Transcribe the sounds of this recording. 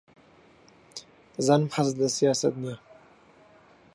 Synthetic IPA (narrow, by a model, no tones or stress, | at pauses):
zanmħasd̪asijɑːsat̪̚na